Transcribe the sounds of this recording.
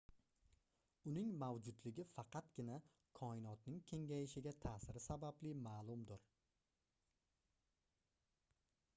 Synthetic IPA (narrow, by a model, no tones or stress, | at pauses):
ʊnɪŋmawd͡ʒʊd̪lɪɡʲɪfɑqɑt̪ɡʲɪna | kʰɒɪnɒt̪nɪŋkʲʰe̞ŋɡʲajɪʃɪɡʲat̪ʰaːsɪɾɪsabablɪmaːlˠʊmd̪ɪɾ